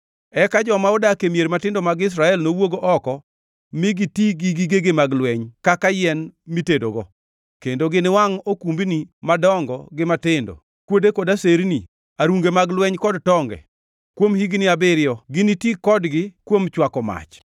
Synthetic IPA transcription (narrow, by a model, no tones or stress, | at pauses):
ɛkad͡ʒɔmaʊdakemjeɾmatɪndomaɡɪs̬ɾaɛlnowoɡoʔɔkɔ | mɪɡitiɡiɡiɡeɡɪmaɡlwɛɲkakajɛnmitedoɡɔ | kendoɡɪnɪwaŋokumbinimadɔŋɡɔ̰ɡɪmatɪndo̰ | kwodekodaseɾni | aɾuŋɡemaɡlwɛɲkɔdtɔŋɡɛ̰ | kwomhiɡnɪabɪɾɪjɔɡɪnitikɔdɡɪkwomt͡ʃwakɔma̰t͡ʃ